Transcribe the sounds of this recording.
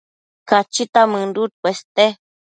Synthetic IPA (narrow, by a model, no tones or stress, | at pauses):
kat͡ʃit̪amɨ̃ndut̪̚pʷest̪e